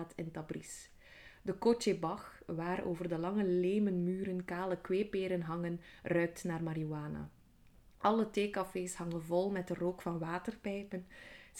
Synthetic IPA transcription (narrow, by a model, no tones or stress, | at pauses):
tʰɪntɑbris | dəkot͡ʃebɑxʋaːɾo̰ːvərdəlɑŋəleːmənmyːɾənkaːləkweːpeːɾənɦɑŋənrœɥk̚tnaːrmaɾiuaːna̰ | ʔɑləteːkɑfeːshɑŋənvɔlˠmɛdəroːkfɑnʋaːtərpɛjpən